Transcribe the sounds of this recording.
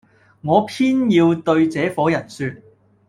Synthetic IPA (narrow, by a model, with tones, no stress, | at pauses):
ŋɔː˨˧pʰiː˥njiː˧wt̪ɵ˧ɥt͡sɛː˨˥fɔː˨˥jɐ˨˩nsyː˧t̚